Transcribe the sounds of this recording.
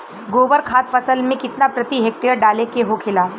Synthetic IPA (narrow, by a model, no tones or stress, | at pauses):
ɡoːbəɾkʰaːt̪fɐsəlmẽkɪt̪napɾɐt̪iɦeːk̚ʈeəɾɖaːlekeɦokʰɪlaː